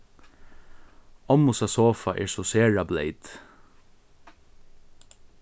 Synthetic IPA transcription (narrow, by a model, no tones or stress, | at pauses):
ɔmʊsasoːfaʔɛ̰ːɹsɔseːɹablḛɪt̪